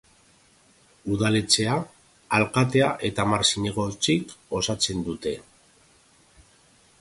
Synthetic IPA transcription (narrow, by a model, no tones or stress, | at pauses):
uðale̞t͡se̞aː | lkat̪̬e̞aʔe̞t̪amaɾsiɲe̞ɣo̞t͡siko̞sat͡se̞nd̪ut̪e̞